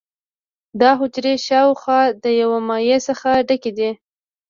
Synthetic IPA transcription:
d̪ɑɦʊd͡ʒɾeʃɑwxwɑd̪əjawamɑjesəxaɖaked̪i

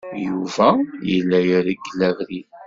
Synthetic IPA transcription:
juvæjəlːæjaɾiɡːəlːævɾi

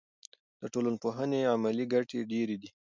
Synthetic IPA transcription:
d̪̥əʈolənpoɦəneamaliɡaʈeɖeɾed̪i

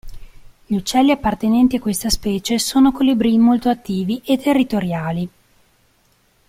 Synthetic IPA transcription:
ʎut͡ʃːɛlːiapːart̪enɛnt̪iakwest̪aspɛːt͡ʃesoːnokolibɾimolt̪oat̪ːiːviʔet̪ʰːerːit̪oɾjaːli

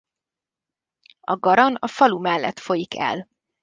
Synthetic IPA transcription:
ɒɡɒɾɒnɒfɒlumɛlːɛ̰t̪fo̞jikʰɛ̰l

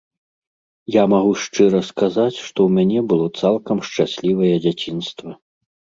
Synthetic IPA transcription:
jamaɣuʂt͡ʂɨɾɐskazat͡sʲʂt̪ɔwmʲanʲɛbɨlˠɔt̪salˠkɐmʂt͡ʂasʲlʲivɐjɛd͡zʲat͡sʲinst̪vɐ

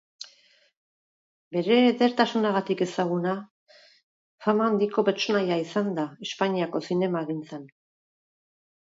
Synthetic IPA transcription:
be̞ɾe̞ːðe̞ɾt̪asunaɣ̞at̪ike̞saɣ̞una | famaand̪iko̞pe̞ɾt͡so̞najaisand̪ae̞spaɲiako̞sine̞maɣint͡sen

